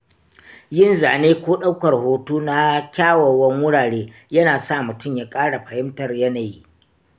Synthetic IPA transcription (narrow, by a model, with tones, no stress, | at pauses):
jɪ˦nzaː˨neː˦kʷoː˦ɗa˦wkɐ˨rhoː˦tuː˦na˦kʲaː˦wɐ˨wɐ˦ŋwʊ˦ɽaː˨ɽeː˦ | jɐ˦naː˨sa˦˨mʊ˨tʊ˦mjaː˦kʼaː˦ɽa˨ɸɐ˨hɪ˦mtɐ˨rjɐ˦na˨ji˦ʔ